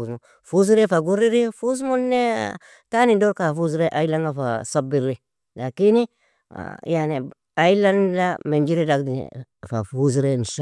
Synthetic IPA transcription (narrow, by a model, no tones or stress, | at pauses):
mu | fuz̬iɾefaɡuɾiɾifus̬munːe | tanidoɾkafuz̬iɾeʔailaŋɡafa̰sabiɾːi | lakinḭ | jane | ailandamend͡ʒiɾedakdḭfa̰fuz̬ɾenʃa